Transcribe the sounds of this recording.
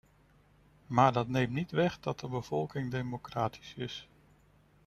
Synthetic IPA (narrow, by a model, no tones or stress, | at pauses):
maːɹdɑtnejmtnitʋɛχdɑt̚dəbəv̥ɔlˠkɪŋdejmokraːtʰi̥sɪs